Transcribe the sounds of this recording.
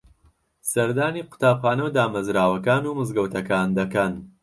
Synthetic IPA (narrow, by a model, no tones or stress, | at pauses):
sɐɾd̪aːniːqʊ̥t̪aːbχaːnɐwd̪aːmɐzɾaːwɐkaːnuːmɨzɡɐwt̪ʰɐkaːnd̪ɐkɐn